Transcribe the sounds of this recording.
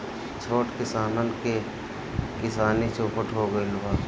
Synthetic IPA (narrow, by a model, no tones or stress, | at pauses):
t͡ʃʰoːʈkɪsaːnənke | kɪsaːnet͡ʃoːpəʈɦoɡəilʊbaː